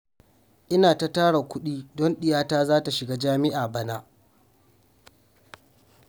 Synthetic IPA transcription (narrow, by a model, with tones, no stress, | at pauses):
ʔɪ˦naː˨ta˦taː˦ɽa˨kʷʊ˦ɗiː˦dɔ˦nɗɪ˨jaː˦taː˦zaː˦ta˨ʃɪ˨ɡaː˦d͡ʒaː˦mɪ˦ʔaː˨bɐ˦na˦ʔ